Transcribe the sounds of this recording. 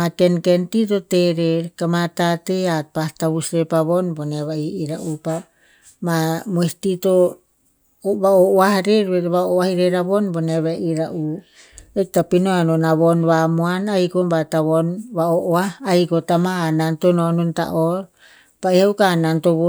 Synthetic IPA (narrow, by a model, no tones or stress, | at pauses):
makenkentit̬oteɾeɾkamatateat̚pastaβusɾepaβonboneβaiiɾaʔupa | mamoistito | oβaoʔoahɾeɾβeβaoahiɾeɾaβonboneβaiɾaʔu | ek̚tapinoanonaβonβamoanajkombataβonβaoʔoahːjkotamaanantonononta̰ʔoɾ | paihawkanantoβo